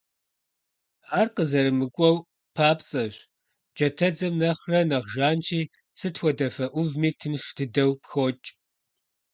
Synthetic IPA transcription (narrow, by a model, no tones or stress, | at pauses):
aːrqəzɐɾɨmɨkʷʼɔw | pʰaːpt͡sʼɐɕʷ | d͡ʒɐtʰɐd͡zɐmnɐχrɐnɐʁʒaːnt͡ʃʰiː | sɨtʰxʷɔdɐfɐʔʷʊvmiːtʰɨnʂtʰɨdɐwpxot͡ʃʼ